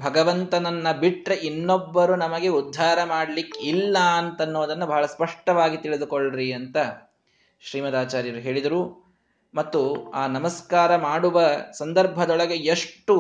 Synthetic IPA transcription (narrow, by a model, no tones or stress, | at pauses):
bʱɐɡɐʋɐnt̪ɐnɐnːɐbiʈɾeʔinːɔbːɐɾunɐmɐɡe̞ud̪ʱːaːɾɐmaːɽɐlikːilːɐɐnt̪ɐnːoːd̪ɐnːubʱɐɦɐɭɐspɐʂʈɐʋaːɡit̪iɭid̪ukoɭɾiɐnt̪ɐ | ʃɾiːmɐd̪aːt͡ʃaːɾjɐɾuɦe̞ːɭid̪ɐɾu | mɐt̪ːuaːnɐmɐskaːɾɐmaːɽuʋɐsɐnd̪ɐɾbʱɐd̪ɔɭɐɡe̞eʂʈu